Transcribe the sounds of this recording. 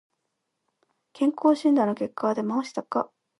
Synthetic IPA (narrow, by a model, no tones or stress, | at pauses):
kʰẽ̞ŋko̞ːɕĩnd̪ano̞ke̞kːad̪e̞maoɕi̥t̪akːa̰